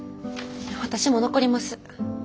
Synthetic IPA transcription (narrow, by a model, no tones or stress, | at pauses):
βat̪aɕimo̞noko̞ɾʲimasɨ̥